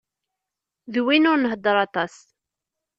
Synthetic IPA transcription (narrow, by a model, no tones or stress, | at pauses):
ðwinʊɾnəɦəd̪ːəɾˤɑt̪ˤɑs